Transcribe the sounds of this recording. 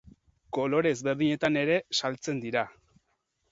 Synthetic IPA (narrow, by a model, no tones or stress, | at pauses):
ko̞lo̞ɾe̞zβe̞ɾðiɲe̞t̪ane̞ɾe̞salt͡se̞nd̪iɾa